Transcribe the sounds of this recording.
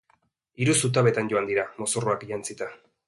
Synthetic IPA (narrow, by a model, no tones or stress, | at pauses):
iɾusut̪̬aβe̞t̪anɟo̞and̪iɾamo̞soroakʝant͡sit̪a